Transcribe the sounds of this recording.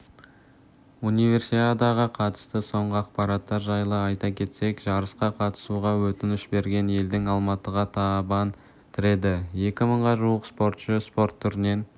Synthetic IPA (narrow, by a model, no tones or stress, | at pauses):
unijvʲe̞rsit̪ad̪ɑʁəqʰɑt̪ə̥st̪əso̞ɴʁəɑqpɑɾɑt̪ːɑɾʒɑjlˠəɑjt̪ɑkʲʰe̞t̪se̞kʒ̥ɑɾəsqɑqʰɑt̪ə̥suʁɑwɵt̪ɪnɪʃbe̞ɾɡʲe̞ne̞ld̪ɪŋɑlˠmɑt̪əʁɑt̪ʰɑbɑn | t̪ʰɪɾe̞d̪ɪje̞kʲɪməɴʁɑʒuəqspo̞ɾt̪ʃəspo̞rt̪ʰːʏɾɪne̞n